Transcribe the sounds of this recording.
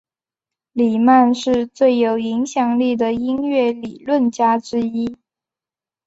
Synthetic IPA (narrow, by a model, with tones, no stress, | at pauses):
li˨˩ma˥˧nʂɻ̩˥˧t͡swe˥˩ɪjo˨˩ʊi˧˥ŋɕjɑ˨˩ŋli˥˩d̪ə˩i˥nɥɛ˥˩li˨˩lwə˥˩nt͡ɕja˥ʈ͡ʂɻ̩˥i˥